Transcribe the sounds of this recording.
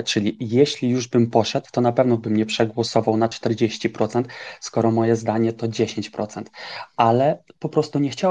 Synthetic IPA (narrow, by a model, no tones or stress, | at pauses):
t͡ʂɘlʲijeɕlʲijuʐbɘmpɔʂɛd̪wt̪ɔnapɛvnɔbɘmɲɛpʂɛɡwɔsɔvawnat͡ʂt̪ɛɾd͡ʑeɕt͡ɕipɾɔt̪sɛnt̪skɔɾɔmɔjɛzd̪aɲɛt̪ɔd͡ʑeɕeɲt͡ɕpɾɔt̪sɛnt̪ʔalɛpɔpɾɔst̪uɲɛxt͡ɕa